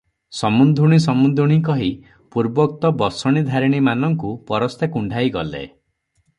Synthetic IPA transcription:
sɔmund̪ʱuɽ̃isɔmund̪ʱuɽ̃ik̬ɔɦi | puɾbɔk̚t̪ɔbɔsɔɽ̃id̪ʱaɾiɽ̃imanɔŋkupɔɾɔst̪ekuɳɖʱajɡɔlḛ

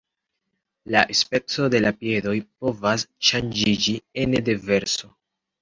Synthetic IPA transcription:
laʔespe̞t͡so̞de̞lapje̞do̞jpo̞vasʃand͡ʒid͡ʒienedeve̞ɾso̞

